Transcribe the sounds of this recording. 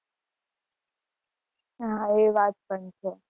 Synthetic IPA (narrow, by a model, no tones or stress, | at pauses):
ɦãeʋaːt̪̚pəɳt͡ʃʰe